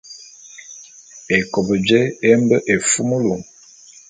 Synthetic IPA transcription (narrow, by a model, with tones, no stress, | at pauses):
e˨ko˨bə˨d͡ʒe˦e˦mbə˦ʔe˨fu˦mu˦lu˨ŋ